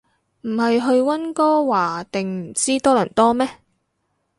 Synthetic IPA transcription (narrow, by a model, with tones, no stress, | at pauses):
m̩˨˩ɦɐ˨jɦɵ˧ɥwɐ˥nkɔː˥waː˨˩t̪ɪ˨ŋm̩˨˩t͡siː˥t̪ɔː˥lɐ̰˨˩nt̪ɔː˥mɛː˥